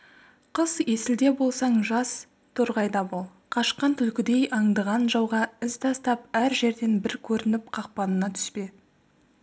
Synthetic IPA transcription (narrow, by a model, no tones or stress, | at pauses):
qʰəze̞sɪld̪e̞bo̞lˠsɑɴʒɑs | t̪ʰoɾʁɑjd̪ɑbolˠ | qʰɑʃqɑnt̪ʰʏlkʲɪd̪e̞jʔɑɴd̪ɑʁɑnʒɑwʁɑɪzt̪ʰɑst̪ɑp̚æɾʒe̞ɾd̪e̞nbɪɾkʲʰɵɾɪnɪp̚qʰɑq̚pɑnənɑt̪ʰʏ̥spe